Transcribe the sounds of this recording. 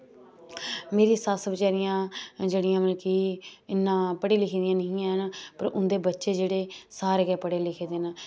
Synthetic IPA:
meːɾiːsasʋɪt͡ʃaːɾɪjãːd͡ʒeːɽɪjãːməlkiːɪnːãːpəɽiːlɪkʰːd̪ɪjãːnəĩãːɦənpə̰ɾʊnd̪eːbətːʃeːd͡ʒeːɽeːsaːɾeːɡɛːpəɽeːlɪkʰeːd̪eːna

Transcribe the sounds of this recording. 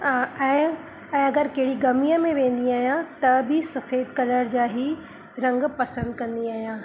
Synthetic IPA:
aɛ̃ː | ɛ̃ːɐɡəɾkɐɦɪɽiɡɐmijəmẽʋẽːn̆d̪iaːɦijãt̪ɐbʱɪsɐfeːd̪kɐləɾd͡ʑaːɦi | ɾɐ̃ŋɡpɐsə̃nd̪kɐ̃nd̪iaːɦijãː

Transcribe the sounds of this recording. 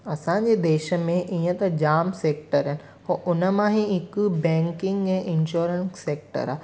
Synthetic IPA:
ɐsãɲd͡ʑed̪eːʃə̆mẽʔiːə̃t̪ɐd͡ʑaːmseːk̚ʈəɾɦɪnɪ̆ | hoːʔʊnəmãɦiɪkbɛ̃ːŋkɪ̃ŋɡɛ̃ʔɪ̃nʃuːɾənːeːk̚ʈə̰ɾaː

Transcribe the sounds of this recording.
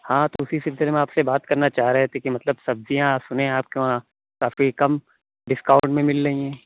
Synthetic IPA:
hãːt̪oʊsisɪlsɪlemẽaːpsebaːt̪kɐɾnat͡ʃaːɦɾeɦɛt̪ʰekimɐt̪ləbsɐbzijãːsʊnẽaːp̚keʋã | kaːfikɐm | ɖɪskaːʊ̃ɳʈmẽmɪlːɐɦĩɛ̃ː

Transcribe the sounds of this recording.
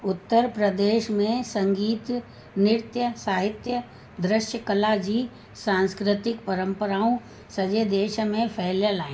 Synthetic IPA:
ʊt̪ːəɾpɾəd̪eːʃmẽsɐ̃ŋɡiːt̪ | nɪɾt̪jəsaːɦɪt̪jə | d̪ɾɪʃjəkəlad͡ʒiː | sãːnskɾɪt̪ɪkpɐɾə̃mpəɾaːũ | sɐd͡ʒed̪eːʃmẽpʰɛɦljəlaːẽː

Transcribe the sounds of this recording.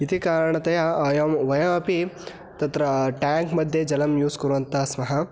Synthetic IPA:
it̪ikaːɾɐɳɐt̪ɐjɐɐjɐmʋɐjɐmɐpi | t̪ɐt̪ɾɐʈaːŋkmɐd̪ʱjed͡ʒɐlɐmjuːskɐɾuʋɐnt̪asmɐɦɐ

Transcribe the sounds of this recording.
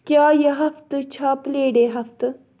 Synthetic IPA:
kjaːjɐɦɐft̪t͡ɕʰaːpleːɖeːɦɐft̪

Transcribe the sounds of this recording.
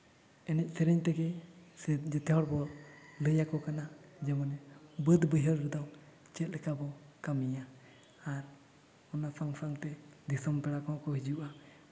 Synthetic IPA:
ɛnɛc̚ˀsɛɾɛɲt̪ɛɡɛ | d͡ʒɛt̪ɛɦɔɽbɔləjakɔkanad͡ʒɛmɔnɛbəd̪bəjɦəɾɾɛd̪ɔw | t͡ʃɛt̪̚lɛkabɔkamijaː | ɾ | ɔnapʰaŋpʰaŋt̪ɛd̪isɔmpɛɽakɔɔkɔhid͡ʒuʔa

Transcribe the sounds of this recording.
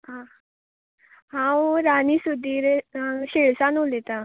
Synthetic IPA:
ɦã | ɦãɾanisud̪ʱiːɾɕeɭsanulet̪a

